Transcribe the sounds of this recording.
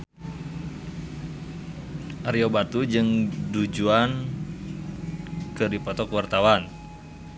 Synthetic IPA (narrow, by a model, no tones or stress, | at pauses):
ʔaɾiobat̪ud͡ʒɨŋdud͡ʒuan | kɨdipɔt̪ɔkəwart̪awan